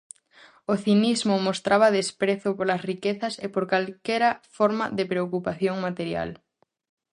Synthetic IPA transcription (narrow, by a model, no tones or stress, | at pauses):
oθinizmʊmost̪ɾʔaβɐðespɾeθʊpoɾlɐsrikeθɐsepoɾkalkɛɾɐfɔɾmɐ̰ðepɾeokupaθjoŋmat̪eɾja̰l